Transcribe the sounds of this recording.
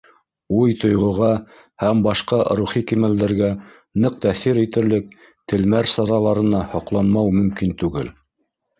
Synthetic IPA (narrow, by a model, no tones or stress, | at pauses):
ujt̪ŏjʁŏʁɑ | hæmbɑʃqɑɾuχikimæld̪æɾɡæ | nɤq̚t̪æθiɾit̪ɘ̆ɾlɘk̚ | t̪ɘ̆lmæɾsɑɾɑlˠɑɾɤ̆nɑhŏqlˠɑnmɑwmɵ̆mkint̪ʉɡɘl